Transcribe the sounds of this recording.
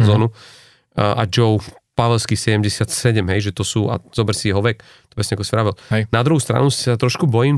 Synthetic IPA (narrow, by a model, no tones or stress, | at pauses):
zɔːnu | ʔa̰d͡ʒɔʊ | paʋɛlskisɛɟɛmɟɛsɪat̪sɛɟɛmɦɛjʒɛt̪ɔsuːa̰zɔbɾsiɛɦɔʋɛk | t̪ɔ̥pɾɛsɲɛakɔspɾaʋilnad̪ɾuɦust̪ɾa̰nussat̪ɾɔʃkubɔjiːm